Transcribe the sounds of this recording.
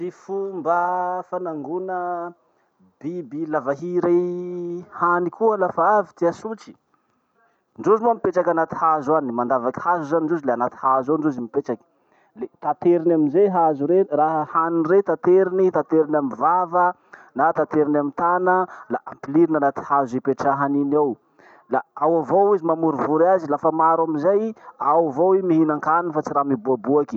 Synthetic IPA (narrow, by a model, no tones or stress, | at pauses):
sifumbəfanaŋɡunə | b̥ibilavaɦiɾe | hanikuəlafaavi̥t̪iasut͡si̥ | ɳɖ͡ʐuzinuamipeʈ͡ʂakʲanat̪i̥hazuanimand̪avakʲi̥hazuzaniɳɖ͡ʐozileanat̪i̥hazoɳɖ͡ʐozimipet͡ʃakʲi̥ | let̪at̪eɾinaminzeɦazuɾeraɦhaninret̪at̪eɾinit̪at̪eɾinamivavə | nat̪at̪eɾinamit̪anəlaʔampiliɾinanat̪i̥hazepeʈ͡ʂaɦaninaw | laawavowizimamuɾivuɾazilafəmaɾamizajawavowimiɦinaŋkannifat͡siɾamibuabuaki̥